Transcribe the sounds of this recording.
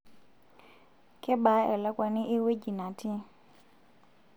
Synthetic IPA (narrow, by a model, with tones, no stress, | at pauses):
kʰʼɪ˦ba˨˦ɛ˨la˦kʼwa˨nɪ˦ʔɪ˦we˦d͡ʒi˨na˨tʰi˦